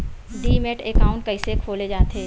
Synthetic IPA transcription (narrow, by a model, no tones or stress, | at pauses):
ɖiːmeʈekaːʊɳʈ̚kəisekʰoːled͡ʒaːt̪eː